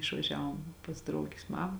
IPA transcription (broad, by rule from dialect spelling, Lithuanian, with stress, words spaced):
ɪʃʋɐˈʒʲæːʋoːm pɐs ˈdrɐʊɡʲɪs ˈmɑːmɐ